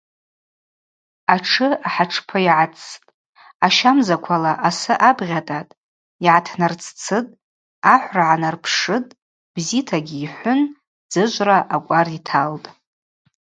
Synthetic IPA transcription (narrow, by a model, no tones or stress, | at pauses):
aʈ͡ʂʰɨaħaʈ͡ʂʰpʰaiʕat͡sʼʰːtʼ | aʃamzakʷʰalaʔasɨʔabʁʲatʼatʼ | iʕatʰnart͡sʰt͡sʰɨtʼ | aħʷraʕanarpʰʂɨtʼ | b̥zitʰaɡʲiːħʷʊn | d͡zɨʒʷʼraʔakʷʼaritʰaltʼ